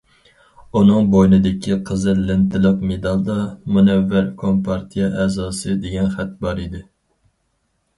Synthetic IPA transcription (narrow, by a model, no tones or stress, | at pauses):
unɨŋbojnɨd̪ɪkʲʰiqʰəzɨlɪnt̪ʰɪlˠəqmed̪ɑlˠd̪ɑmunɛvːæɾkʰompʰɑɾt̪ʰijɛʔɛːzɑːsɨd̪eɡʲɛnχɛt̪̚bɑɾid̪ɪ